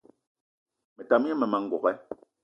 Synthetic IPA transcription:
mɛ˨ta˨m˦ɛ˦mɛ˨ma˨ŋ̩˦ɡɔ˨ɣɛ˦

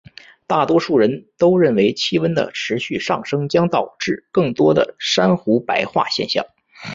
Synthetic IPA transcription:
t̪a˥˩t̪wɔ˥ʂu˥˩ɻə˧˥nt̪o˥ʊɻə˥˩nwe˧˥ɪt͡ɕʰi˥wə˥nd̪ə̰˨ʈ͡ʂʰɻ̩˧˥ɕy˥˧ʂɑ˥˩ŋʂɤ˥ŋt͡ɕjɑ˥ŋt̪ɑ˨˩ʊʈ͡ʂɻ̩˥˩kɤ˥˩ŋt̪wɔ˥d̪ə̰˨˩ʂa˥nxu˧˥pa˧˥ɪxwa̰˥˧ɕjɛ̰˥˧nɕjɑ̰˥˩ŋ

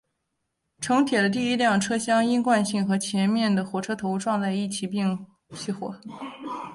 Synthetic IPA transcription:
ʈ͡ʂʰɤ˧˥ŋt̪ʰjɛ˨˩lə˦t̪̬i˥˧i˥ljɑ˥˩ŋʈ͡ʂʰɤ˥ɕjɑ˥ŋi˥nkwa˥˧nɕi˥˩ŋxɤ˧˥t͡ɕʰjɛ˧˥nmjɛ˥˩nd̪ə˩xwɔ˨˩ʈ͡ʂʰɤ˥t̪ʰo˧˥ʊʈ͡ʂwɑ˥˧ŋt͡sa˥˧ɪi˥˩t͡ɕʰi˧˥pi˥˩ŋ | t͡ɕʰi˥˩xwɔ̰˨˩

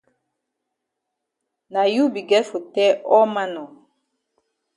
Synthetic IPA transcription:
na˨ju˦bi˨ɡɛ˦fo˨tɛ˦ʔɔ˦ma˦nɔ˨

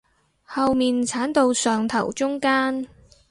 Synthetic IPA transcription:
hɐ˨˧wmiː˨nt͡sʰaː˨˥nt̪o˧wsœː˨ŋt̪ʰɐ̰˨˩wt͡sʊ˥ŋkaː˥n

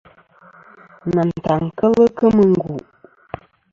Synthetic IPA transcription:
na˨n̩˨ta˨ŋ˨kə˦lə˦kə˦mə˨ŋ˦ɡu˨ʔ

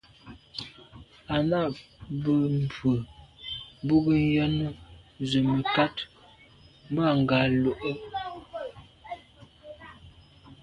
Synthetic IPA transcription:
a˨na˦˨ʔbə˦˨m˨pə˨ | bu˦ɡə˦n˦jɔ˦nə˦zə˨mə˨ka˦t | m˦ba˦˨ŋ˨ɡa˨lo˨ʔə˦

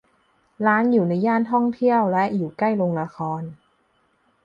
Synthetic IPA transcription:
laː˦˥njuː˨˩na˧jːaː˥˩nt̪ʰɔ˥˩ŋt̪ʰi˥˩əwlɛ˦˥ʔjuː˨˩kla˥˩jlo˧ŋla˧xʰɔː˧n

